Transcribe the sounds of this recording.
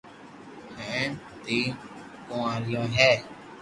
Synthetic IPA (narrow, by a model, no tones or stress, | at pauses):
hɛ̃ː | t̪iː | kõːãːlɪjõːɦɛː